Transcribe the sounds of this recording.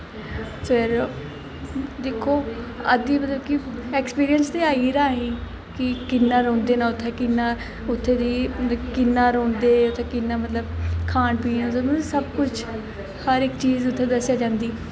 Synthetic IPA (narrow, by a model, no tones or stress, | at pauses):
fɪɾ | d̪eːkʰoːə̰d̪iːmət̪ləb̚kɪɛːkspiːɾijənst̪eːaːiːɾaːɦĩː | kɪkɪnːaːɾõːnd̪eːnãːʊt̪ʰːeːkɪnːaː | ʊt̪ʰːeːd̪iːkɪnːaːɾõːnd̪eːʊt̪ʰːeːkɪnːaːmət̪ləbkʰaːnpiːãsəmsəbkʊt͡ʃʰ | həɾɪkt͡ʃiːzʊt̪ʰːeːd̪əsːjaːd͡ʒãːnd̪iː